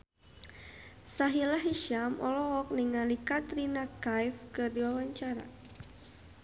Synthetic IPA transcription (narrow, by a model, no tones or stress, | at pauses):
saɦilaɦiʃamʔɔ̰lɔɔk̚niŋalikat̪ɾinakajfkɨrdiwawaɲt͡ʃaɾa̰